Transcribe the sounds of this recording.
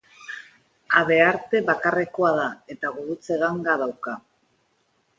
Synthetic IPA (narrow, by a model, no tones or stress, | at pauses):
aβe̞aɾt̪e̞βakareko̞aðae̞t̪aɣuɾut͡se̞ɣaŋɡað̞awka